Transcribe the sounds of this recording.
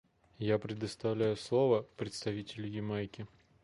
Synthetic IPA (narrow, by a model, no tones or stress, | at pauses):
japɾʲɪd̪əst̪ɐvlʲæjʊslˠovəpɾʲɪt̪st̪ɐvʲitʲɪlʲʊjɪmajkʲɪ